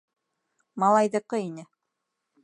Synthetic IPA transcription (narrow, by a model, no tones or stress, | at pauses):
mɑlˠɑjðɤ̆qːɤinɘ